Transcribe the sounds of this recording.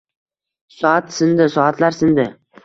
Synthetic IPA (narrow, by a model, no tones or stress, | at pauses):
sɒat̪sɪnd̪ɪsɒat̪ʰlaɾsɪnd̪ɪ